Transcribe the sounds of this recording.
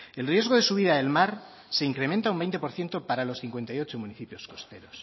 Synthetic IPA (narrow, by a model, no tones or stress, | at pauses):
e̞lrje̞zɣo̞ðe̞suβ̞iðaðe̞lmaɾ | se̞iŋkɾe̞ment̪aumbejnt̪e̞po̞ɾθje̞nt̪o̞paɾalo̞sθiŋkwe̞nt̪ajo̞t͡ʃo̞mũniθipjo̞sko̞st̪e̞̰ɾo̞s